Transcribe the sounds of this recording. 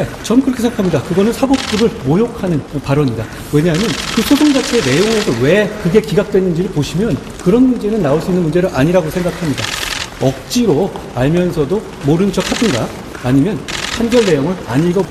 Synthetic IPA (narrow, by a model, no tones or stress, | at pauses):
et͡ɕʌnkɯɾʌkʰeeŋɡakʰamɲidakɯɡʌnɯnsʰabok̚p͈uɾɯɭmojokʰanɯnpaɾʌɲida | we̞ɲamjʌnkɯsʰosʰoŋd͡ʑat͡ɕʰiene̞joŋe̞sʰʌwe̞kɯɡe̞kiɡak̚t͈wenːɯnd͡ʑiɾɯɭpoɕʰimjʌn | kɯɾʌnmund͡ʑe̞nɯnːaoɭs͈uinːɯnmund͡ʑe̞ɾɯɭʔaɲiɾaɡosʰe̞ŋɡakʰamɲidaʌk̚t͡ɕ͈iɾo | aɭmjʌnsʰʌdo | moɾɯnd͡ʑʌk̚ʰadɯnɡaː | ɲimjʌnpʰanɡjʌɭːe̞joŋɯna̰ɲiɭɡʌ